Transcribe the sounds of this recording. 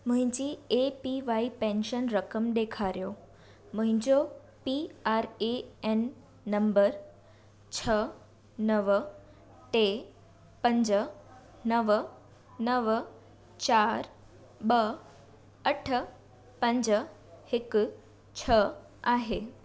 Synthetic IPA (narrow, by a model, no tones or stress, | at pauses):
mʊ̃ɦɪ̃ɲd͡ʑiːepiʋaipẽnʃənɾəkəmd̪ekʰaɾjo | mʊɦɪ̃ɲd͡ʑo | piaɾeenː | əmbəɾ | t͡ɕʰə | nəʋ | ʈe | pə̃ɲd͡ʑə | nəʋ | nəʋ | t͡ɕaɾ | ɓə | əʈʰə | pə̃ɲd͡ʑə | hɪk | t͡ɕʰə | aɦe